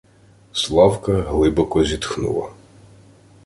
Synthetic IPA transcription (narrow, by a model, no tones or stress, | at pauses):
slˠɑwkɐɦlˠɪbɔkɔzʲit̪xnṵlˠɐ̰